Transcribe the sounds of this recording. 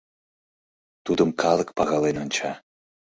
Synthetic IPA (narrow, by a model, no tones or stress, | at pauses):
t̪ud̪əmkʰɑlˠək̚pɑɣɑlenonʲt͡ɕɑ